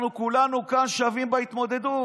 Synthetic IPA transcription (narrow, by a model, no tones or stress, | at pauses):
nukulanukanʃavimbait̪mo̞d̪e̞d̪u